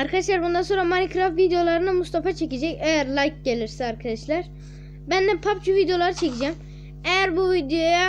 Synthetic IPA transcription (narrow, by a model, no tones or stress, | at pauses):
aɾkʰad̪aʃlˠaɾbund̪anso̞nɾamanikʰɾafvid̪ejo̞lˠaɾɯnɯmust̪ʰafat͡ʃʰe̞cid͡ʒɛcejæɾlʲˠajk̚ɟe̞lʲiɾsɛaɾkʰad̪aʃlˠaɾ̥ | bænd̪ɛpʰap̚t͡ʃʰuvid̪ejo̞lˠaɾɯt͡ʃʰecid͡ʒɛm | ejæɾbuvid̪ejoja